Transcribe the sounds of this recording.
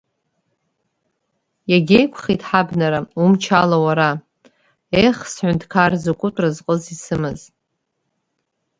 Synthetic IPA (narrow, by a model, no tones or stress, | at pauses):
jaɡʲejkʷʰχitʼħabnaɾaumt͡ʃʰalawaɾa | ejχsħʷʊntʰʼkʰarzokʷʼʊtʷʼrazqʼəzisɨmɨz